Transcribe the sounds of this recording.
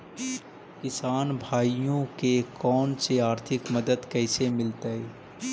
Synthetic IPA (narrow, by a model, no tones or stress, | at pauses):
kɪsaːnbʱaːijõkekɔːnseaːɾt̪ʰɪkməd̪əd̪kɛːsemɪlt̪aɛː